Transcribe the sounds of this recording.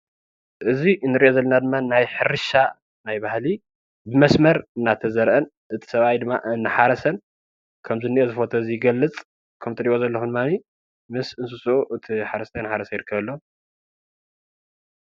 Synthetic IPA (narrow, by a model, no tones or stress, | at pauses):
ʔɨzinːɨɾiʔozɐlːɐnad̪ɨmːanajħɨɾɨʃa | najbahli | bɨmɐsmɐɾɨnːat̪ʰɐzɐɾʔɐn | ʔɨt̪ʰi̥sɐβajd̪ɨmːa̰ʔɨnːɨħaɾɐsɐn | kʰɐmzɨniʔozɨfo̞t̪ʰoɨziɡɐlːɨt͡sʼ | kʰɐmt̪ʰɨɾio̞zɐlːɐxud̪ɨmːani | mɨsɨnsusuʔuʔɨt̪ʰiħaɾɐst̪ʰɐnħaɾɐsɐjɪɾɨkːɐβɐlːɐu